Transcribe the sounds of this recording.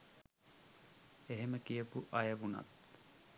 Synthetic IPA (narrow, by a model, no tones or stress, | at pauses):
eɦeməkijəpuʔɐjəʋuna̰t̪